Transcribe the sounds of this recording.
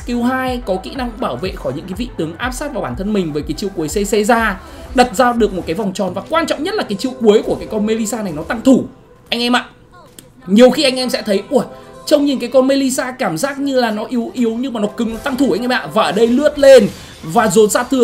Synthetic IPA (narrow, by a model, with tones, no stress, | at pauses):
ki˨˧əwɦaː˧jkɔ˨˦kḭ˧˥na˧ŋɓaː˧˩wvḛ˧˨xɔ˧˩jɲɨ̰˧˥ŋkaː˨˦vḭ˧˨t̪ɨ˨˦əŋʔaː˦˥p̚saː˦˥t̚vaː˨˩ɓaː˧˩nt̪ʰə˧nmï˨˩ŋ̟vəː˨˦jkaː˨˦jt͡ɕḭ˧˨əwku˨˦əjsɛ˧se˧zaː˧ | ɗə˨˩t̚zaː˧ɗɨ˨˩ək̚mo˨˩t̚kaː˨˦jva˨˩wŋ͡mt͡ɕɔ˨˩nvaː˨˩kwaː˧nt͡ɕɔ̰˧˨wŋ͡mɲə˦˥t̚laː˨˩kaː˨˦jt͡ɕi˧˨əwku˨˦əjku˧˩əkaː˨˦jkɔ˧nme˧li˧saː˧na˨˩jnɔ˨˦t̪a˧ŋt̪ʰu˧˩ | ʔa˧jŋ̟ʔɛ˧mʔa̰ː˧˨ʔ | ɲi˨˩əwxi˧ʔa˧jŋ̟ʔɛ˧msɛ̰˧˥t̪ʰə˨˦jʔu˧˩ə˨t͡ɕə˧wŋ͡mɲi˨˩nkaː˨˦jkɔ˧nme˧li˧saː˧kaː˧˩mzaː˦˥k̚ɲɨ˧laː˨˩nɔ˨˦ʔi˨˦əwʔi˨˦əwɲɨ˧maː˨˩nɔ˨˦kɨ˨˦ŋnɔ˨˦t̪a˧ŋt̪ʰu˧˩a˧jŋʔɛ˧mʔa̰ː˧˨vaː˨˩ʔə˧˩ɗə˧jlɨ˦˥ət̚le˧n | vaː˨˩zo˨˦nsaː˧t̪ʰɨ˧˩ə